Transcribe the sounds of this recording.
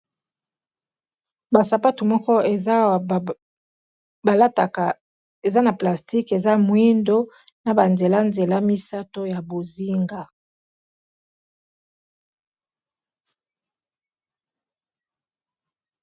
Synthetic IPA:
ba˨sa˨pa˦tu˨mɔ˦kɔ˦e˨˦˨ | ba˨la˦ta˨ | e˨za˦na˨pla˨sti˦ke˨za˦mwi˦ndo˦ | na˨ba˨nze˨la˦nze˨la˦mi˦sa˦to˦ja˨bo˨zi˦ŋɡa˦

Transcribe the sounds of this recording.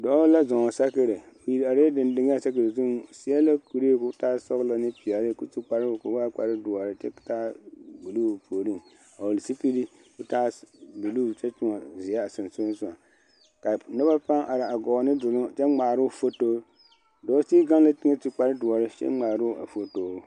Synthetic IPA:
dɔ˦la˦zɔ˨ŋɔ˨sa˦kɨ˦ɾɪ˨ | o˨ji˨ɾa˨ɾe˦dɪ˨ndɪ˨˦ŋ˦a˦˨sa˦kɨ˨zu˦m˨si˦ɛ˦la˦ku˨ɾi˦ku˦taː˦sɔ˦ɣla˨nɨ˦pi˨ɛ˨lɨ˦ku˦ti˦k͡pa˦ɾku˨˦wa˦k͡pa˨ɾɨ˦dʊ˨a˨ɾɨ˨t͡ʃɛ̰˦˨taː˦ɡu˨lu˦˨pʰoː˨ɾi˦˨ŋ | a˨wo˨li˨si˦pi˦li˦ | ku˦ta˦bu˨lu˦˨t͡ʃɛ˦tʊ˦ŋɔ˨zi˨ja˦a˨sɨ˨nsu˦sʊ˦˨a˨ | ka˨nɛ˦ba˦pa˦ŋʔa˨ɾa˨a˨ɡɔ˨nɨ˦dʊ˨lʊ˦t͡ʃɛ˦ŋ͡maː˨ɾʊ˦˨fo˦toː˦ | dɔː˨˦si˦ɡa˦n˦la˦tɪ˦ŋɛ˦ti˦k͡pa˦ɾɪ˦du˨ɔ˨ɾɨ˦t͡ʃɛ̰˦ŋ͡maː˨ɾu˦a̰˨fo˦toː˨˦

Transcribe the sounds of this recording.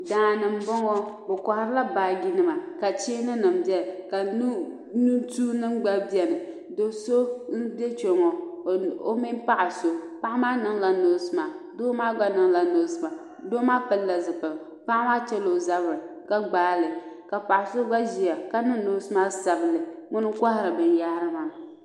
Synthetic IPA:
daː˨nɨ˨m̩˦bɔ˦ŋɔ˦ | o˨kɔ˨ha˦ɾɨ˦la˦baː˨ɡi˦nɨ˦ma˨ka˨t͡ʃeː˦nɨ˦nɨ˨mbjɛ˦lka˨nu˦ | nu˦tuː˦nɨ˦ŋɡ͡ba˦bjɛ˨nɨ˨ | do˨so˦n̩˦bɛ˦t͡ʃo˨ŋɔ˨o˦mi˦n˦pa˦ʔa˨so˦pa˦ʔa˦maː˦nɨ˦ŋla˦noː˨˦sɨ˦maː˨doː˦maː˦ɡ͡ba˦nɨ˦ŋla˨no˨˦sɨ˦ma˨ | doː˦maː˦pɨ˦lːa˨zɨ˨pɨ˨l | pa˦ʔma˦t͡ʃɛ˦lo˨za˦bɾɨ˨ | ka˦ɡ͡baː˦lɨ˨ | ka˨pa˨ʔa˨so˦ɡ͡ba˦ʒi˨a˨ka˦nɨ˦noː˦sɨ˦maː˦sa˨bɨ˨lɨ˨ŋʊ˦nɨ˦ka˦hɪ˦ɾɨ˨bɨ˨nja˦ɾɨ˦ma˨n˨

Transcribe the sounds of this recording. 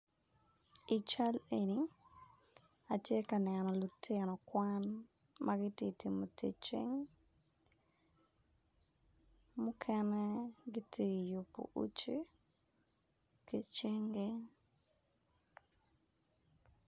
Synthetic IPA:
i˨t͡ʃa˦le˨ni˦ | a˨tje˦ka˨nɛnɔ˨lu˨tʰenɔ˨kwa˦n | mʔaɡɪ˦ti˦ti˨mo˨tʰe˨t͡ʃḛ˦ŋ | mu˦kʰɛnɛ˦ɡɪ˦tʰi˦˨ju˨po̰˨ʔṵ˦t͡ʃe˦ | ke˦t͡ʃe˦ŋɡe˦

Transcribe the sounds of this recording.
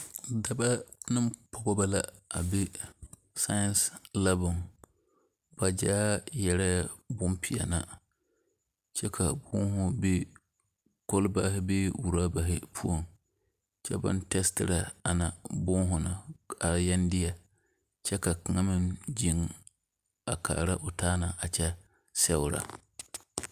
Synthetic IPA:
da˦ba˦nɨ˦mpʰɔ˦ɡɔ˦ba˦la˨a˨be˦ | sa˦ja˦nsla˦bʊ˨ŋ | ba˨d͡ʒaː˦jɛ˦ɾa˦ja˦˨bʊ˦mpʰi˨a̰˨na˨ | t͡ʃɛ˦kʰa˨bʊ˦ŋ˦ɦʊ˦be˦ | ko˦lbaː˦ɦɪ˦be˦wu˨ɾaː˦ba˨ɦɪ˦pʰu˦o˨ŋ | t͡ʃɛ̰˦ba̰˦ntɛ˦stɪ˦ɾa˨a˨na˨bʊ˦ŋɦʊ˨na˨a˨jɛ˦ndɪ˦a˨ | t͡ʃɛ˦ka˨ka˨ŋa˦mɪ̃˦nd͡ʒi˨ŋ | a˨ka̰ː˨ɾa˦ʔʊ˨taː˦na˨ʔa˨t͡ʃɛ˦ | sɛ˦wʊ˨ɾa̰˨

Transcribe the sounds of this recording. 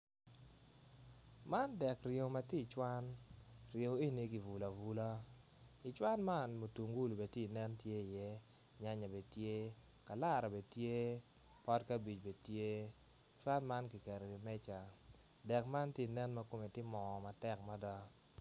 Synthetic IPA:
ma˦ndɛ˨krje˨ma˨ti˦˨t͡ʃwa˦nrje˨˦e˦ni˨ki˨vu˨la˨vu˨la˦ | i˨t͡ʃwa˦nma˦nmo˨tu˨ŋɡu˦lo˨be˨te˦˨nɛ˦ntje˦i˨jɛ˦ | ɲa˦ɲa˨be˨tje˦ | ka˨la˦˨ɾɔ˨be˨tje˦ | pɔ˦tka˦bi˨t͡ʃbe˨tje˦˨ | t͡ʃwa˦nma˦nki˨kɛ˨ɾe˨li˨mɛ˦t͡ʃa˨ | dɛ˨kma˦nti˦˨nɛ˦nma˦ko˨me˨tɪ˦mɔ˨ma˨tɛ˦kma˦dɔ˦

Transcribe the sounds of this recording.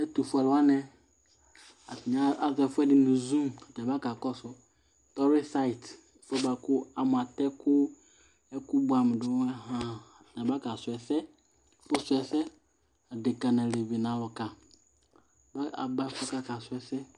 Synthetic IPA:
ɛ˦t̪u˨fʊ˦ɛ˨la˦nɛ̃˦ | a˨tɪ˨ɲa˦a˦zɛ˨fʊ˦ɛ˦dɪ˨nʊ̃˨zũ˦ma˨ta˨ba˦ka˨kɔ˦sʊ˨ | t̪ɔ˦ɾɪ˦sa˦ɪ˨t | fɛ˦ba˨kʊ˦a˨mʊ˨a˨tɛ˦kʊ˦ | ɛ˦kʊ˦bʊ˨a˨mɪ̃˨dʊ˦ɛ˦ɦã˦a˨tɪ˨ã˨ba˦ka˨sʊ˨ɛ˨sɛ˦ | fʊ˦sʊ˨ɛ˨sɛ˦ | a˨dɪ˨ka˨nã˨le˨vi˨nã˨wɔ˨ka˨ | ba˦a̰˨ba˦fɛ˦ka˦ka˨sʊ˨ɛ˨sɛ˦

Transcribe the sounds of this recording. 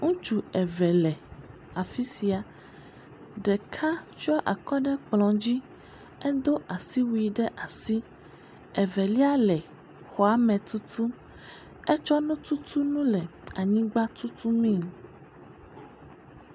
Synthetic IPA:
ŋũ˦t͡ʃu˨ɛ˨vɛ˨lɛ˨ | a˨fi˦si˨a˨ | ɖɛ˨kʰa˦t͡ʃɔ˦ʔa˨kɔ˦ɖɛ˦k͡plɔ̃˨d͡ʑi˦ | ɛ˦d̪o˦ʔa˨si˦wi˨˦ɖɛ˦ʔa˨si˦ | ɛ˨vɛ˨li˦a˦lɛ˨ | xɔ˨a˦mɛ̃˨t̪u˦t̪ʰu˦ | ɛ˦t͡ʃɔ˦nũ˦t̪u˦t̪ʰu˦nũ˦lɛ˨a˨ɲĩ˦ɡ͡ba˦t̪u˦t̪ʰu˦mĩ˦˨

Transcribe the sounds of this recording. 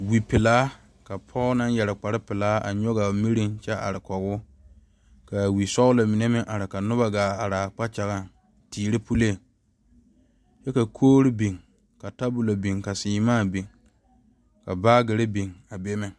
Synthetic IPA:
wi˨pɪ˨laː˦ | ka˨pʰɔ˦na˦njɛ˨ɾɪ˨k͡pa˨ɾɪ˦pɪ˨laː˦a̰˨ɲɔ˦ɡa˨mi˦ɾi˦ŋt͡ʃɛ˦a̰˨ɾɪ˨kɔ˨ɣʊ˦ | ka˨wi˨sɔ˦ʊ˦la˨mi˨ne˦mɪ˨ŋʔa˨ɾɪ˨ka˨nʊ˦ba˨ɡaː˨a˨ɾaː˨k͡pa˦t͡ʃa˨ɣa˦ | tiː˨ɾɪ˦pu˦le˦˨ | t͡ʃɛ˦ka˨kʰoː˦ɾɪ˦bi˨ŋ | ka˨ta˦bʊ˨la˨bi˨ŋka˨sɪː˨maː˦˨be˨ŋ | ka˨baː˦ɡe˨ɾe˦be˨ŋa˨be˦mɪ˨ŋ

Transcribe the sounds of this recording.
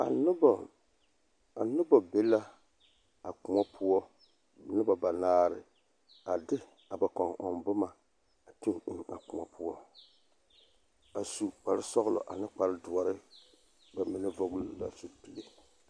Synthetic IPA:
a̰˨nɪ˦bɔ˨ | a˨nʊ˦bɔ˨be˦la˦ | a˨k͡pʊ˨ŋɔ˦pʰʊ˦ɔ˦ | nɨ˦ba˨ba˨naː˦ɾɪ̰˨ | a˨dɪ˦ | a˨ba˨kɔ˨ŋɔ˨mbʊ˦ma˨ | a˨tu˦ŋɪ˦ŋa̰˨kʊ˨ŋa̰˨pʰʊ˦wɔ˦ | a˨su˨k͡pa˨ɾɪ˦sɔ˦ɣʊ˦lɔ̰˨ʔa̰˨nɪ˦k͡pa˨ɾɨ˦dʊ˨ɔ˨ɾɪ˦ | ba˨mi˨nɨ˦vɔ˦ɡʊ˦lla̰˨su˨pi˦le˦

